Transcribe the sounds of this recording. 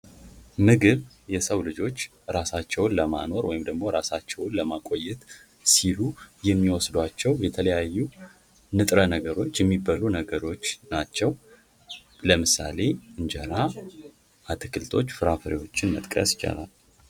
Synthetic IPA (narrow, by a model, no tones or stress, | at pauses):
mɨɡɨβ | jɛsəwlɨd͡ʒo̞t͡ʃː | ɾasat͡ʃːɛwʊnləma̰no̞ɾwɔjɪmd̪əɡmo̞ɾasat͡ʃːɛwʊnləmakʼo̞jːɛt̪ | silujɛmːiwɔsd̪wat͡ʃːɛwjɛt̪ʰələjajːu | nɨt̪ʼɾənəɡəɾo̞t͡ʃːjɛmːibalunəɡəɾo̞t͡ʃːnat͡ʃːɛw | ləmɨsa̰le̞ɨnd͡ʒəɾa | ʔat̪ʰɨkʰɨlt̪ʰo̞t͡ʃːfɨɾafəɾiwo̞t͡ʃːɪnmə̰t̪ʼkʼə̰sjɪ̥t͡ʃʼa̰la̰l